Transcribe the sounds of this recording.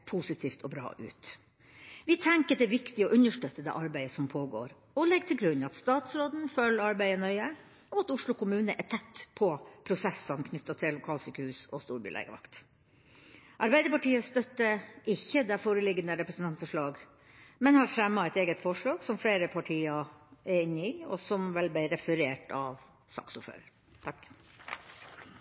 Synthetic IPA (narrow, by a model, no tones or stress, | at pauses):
pʰusɪt̪ʰiːft̪ʰɔbɾɑ̰ːʔʉ̰ːt̪ | ʋɪt̪ʰɛŋkəd̪ɛʋɪkt̪ɪɔʔʉnəʂʈøːt̪ːəd̪ɛ̰ːʔɑɾbæɪəsɔmpʰoːɡo̰ːɾ | ɔlɛɡ̚t̪ʰɪlɡɾʉnɑt̪st̪ɑːt̪sɾoːd̪n̩følɑɾbæɪənœʏə | ɔɑt̪ʊʂlʊkʰʊmʉːnəʔæt̪ʰɛt̪ːpʰɔpʰɾʊsɛsːɑnkʰnʏt̪ːɑt̪ʰɪllːʊkʰɑːlsyːkəhʉːsɔst̪uːɾbʏ̰lɛ̰ɪɡə̰ʋɑ̰kt̪ | ʔɑɾbæɪd̪əɾpɑʈiːəst̪œt̪ːəʔɪçːəd̪ɛfoːɾəlɪɡənəɾɛpɾəsnt̪ɑnt̪fɔʂɭɑːɡ | mɛnhɑɾfɾɛmːɑɛt̪eːɡət̪fɔʂɭɑːɡsɔmfleːɾəpʰɑʈʰiːɑɛɪnːɪɔ̰sɔmʋɛlblæɪɾɛfəɾeːʈɑʋ | sɑ̰ksʊfø̰ːɾəɾ | t̪ʰɑkː